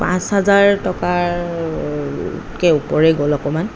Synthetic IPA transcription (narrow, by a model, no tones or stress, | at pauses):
pã̰shazaɹtɔkaɹ | kɛupɔɹɛɡɔlɔkɔman